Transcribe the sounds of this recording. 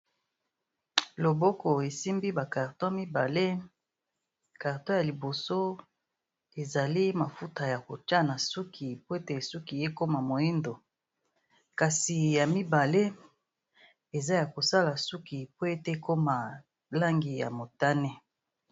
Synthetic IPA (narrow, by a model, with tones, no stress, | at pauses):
lo˨bo˦kɔ˨e˨si˦mbi˦ba˨ka˨ʁtɔ˦mi˦ba˨le˦ | ka˨ʁtɔ˦ja˨li˨bo˨so˦ | e˨za˨li˦ma˨fu˦ta˨ja˨ko˨ta˦na˨su˦kʰi˨po˦e˦te˨su˦ki˨je˦ko˦ma˨mo˨i˦ndo˨ | ka˨si˨ja˨mi˦ba˨le˦ | e˨za˦ja˨ko˨sa˦la˨su˦ki˨po˦e˦te˦ko˦ma˨ | la˦ŋɡi˨ja̰˨mo˨ta˦ne˦